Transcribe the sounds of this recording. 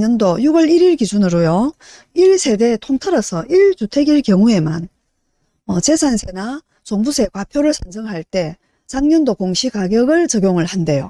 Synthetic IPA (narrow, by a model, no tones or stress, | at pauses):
ɲʌndojuɡʌɭiɾiɭkid͡ʑunɯɾojo | iɭsʰe̞de̞tʰoŋtʰʌɾʌsʰʌʔiɭt͡ɕutʰeɡiɭkjʌŋue̞ma̰n | mʌt͡ɕe̞sʰansʰena | t͡ɕoŋbusʰe̞kwapʰjoɾɯɭsʰʌnsʰʌŋɦaɭt͈e̞ | t͡ɕaŋɲʌndokoŋɕʰikaɡjʌɡɯɭt͡ɕʌɡjoŋɯɭhande̞jo